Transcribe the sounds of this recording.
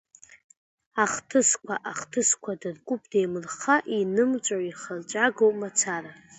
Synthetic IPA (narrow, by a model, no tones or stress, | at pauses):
aχtʰɨskʷʰaʔaχtʰɨskʷʰadɨrkʷʼʊpʰʼdejmɨrχaʔinɨmt͡ʃʷʼaiχalt͡ʃʷʼaɡowpʼmat͡sʰaɾa